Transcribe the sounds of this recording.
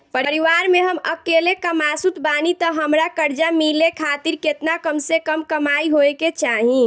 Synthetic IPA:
pəɾiʋaɾmeɦəməkeːlekəmaːsut̪baːnit̪ɔɦəmɾakəɾd͡ʒamilekʰaːt̪iɾket̪nakəmsekəmkəmaːiɦoeket͡ʃaːɦĩ

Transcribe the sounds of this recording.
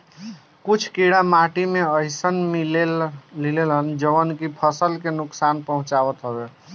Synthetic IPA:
kut͡ʃʰkiɽamaʈimeəɪsənmillilelɦənd͡ʒəbənkipʰəsəlkenuksanpəɦũt͡ʃabət̪ɦəbe

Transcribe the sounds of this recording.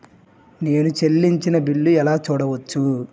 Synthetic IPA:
ne̞ːnut͡ʃe̞lːiɲt͡ʃinɐbiɭːuɛlaːt͡ʃuːɽɐʋɐt͡ʃːu

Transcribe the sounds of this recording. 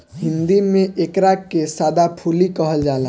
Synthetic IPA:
ɦɪ̃nd̪imẽʔekɾakːesaːd̪apʰuːlikəɦəld͡ʒaːla

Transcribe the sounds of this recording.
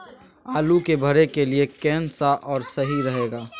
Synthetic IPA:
aːlukebʱəɾekeliekɛːnsaʔɔːɾsəɦiɾəɦeːɡaː

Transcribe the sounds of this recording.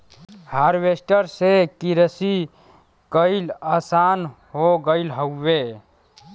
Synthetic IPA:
haːɾwesʈəɾsekiɾəsi | kəɪlaːsaːnɦoɡəɪlɦəːe

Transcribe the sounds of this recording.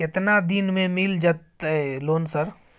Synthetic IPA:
ɪt̪nad̪inmẽmild͡ʒɐt̪ɛloːnsəɾ

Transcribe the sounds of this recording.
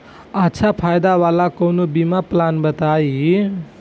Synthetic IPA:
ʌtːsʰapʰajd̪awalakownobimaplanbʌt̪ai

